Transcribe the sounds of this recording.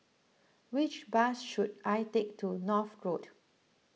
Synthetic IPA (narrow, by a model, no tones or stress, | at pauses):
wit͡ʃbasʃudajtek̚tunɔfɡɹot